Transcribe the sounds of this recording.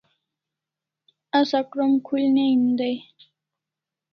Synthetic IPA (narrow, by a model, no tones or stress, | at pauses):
asakɾomkʰulneind̪aj